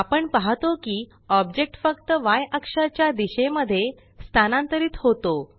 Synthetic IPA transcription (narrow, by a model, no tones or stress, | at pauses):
apəɳpaɦt̪okiː | ɔbd͡ʑek̚ʈfəkt̪əʋajʔəkʂat͡ɕjad̪iɕeməd̪ʱːje | st̪ʰanãnt̪əɾiːt̪hot̪o